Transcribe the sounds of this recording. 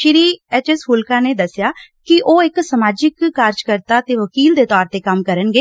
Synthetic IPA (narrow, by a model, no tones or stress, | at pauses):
ʃɪɾiːɛːt͡ʃɛsmʊlkaːneːd̪əsːjaːkɪʔoːɪksəmaːd͡ʒɪkːaːɾd͡ʒkəɾt̪aːt̪eːʋəkiːld̪eːt̪ɔːɾt̪eːkəmkəɾənɡeː